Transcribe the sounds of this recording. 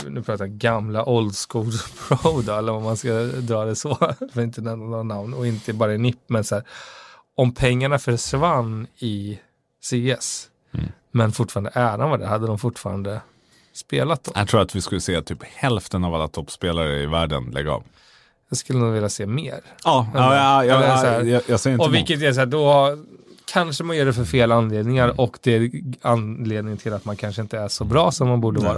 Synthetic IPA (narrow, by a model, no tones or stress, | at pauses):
nʉ̟pʰɾɑːt̪aɾɔmɡamlaʔɔld̪skuːlpʰɾoʊd̪ɔɛlːəɾamanskad̪ɾɑːd̪ɛsɔfœɾɪnt̪ənɛmnanoːɾanamnɔɪnt̪əbɑːɾaɪnɪpːmɛnsæːɾ | ʔɔmpʰɛŋːaɳafœɾʂvanːɪ | siːɛs | mɛnfʊʈːfɑːɾand̪əʔæːɾanvaɖɛhad̪ːəd̪ɔmfʊʈːfɑːɾa̰nd̪ə | speːlat̪̚d̪ɔɛt̪ʰɾuːɾat̪vɪskɵlːəseːt̪ʰyːphɛlft̪ənavalːat̪ʰɔpːspeːlaɾəɪvæːɖə̰nlɛ̰ɡːɔ̰m | jɑːɡskɵlːənuːɡvɪljaseːmḛːɾɑːjsæːɾjɑseːɾɪnɔvɪlkːət̪̬jɛs̬æːɖɔhkʰanʂəmanjœːɖɛfœɾfeːlanleːd̪nɪŋaɾɔkd̪ɛanleːd̪nɪŋnt̪ʰɪlat̪mankʰanʂəɪnt̪əæʂɔbɾɑːsɔmmːanbuːɖəvɑːɾa